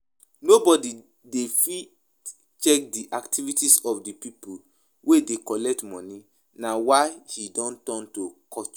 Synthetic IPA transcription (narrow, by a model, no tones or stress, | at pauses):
nobɔdi | defi | t͡ʃɛk̚diʔaktʰivitisɔfdipipul | wedekɔlɛk̚tmɔ̃ni | nawaɪhidɔ̃ntɔ̃ntokʰɔt͡ʃ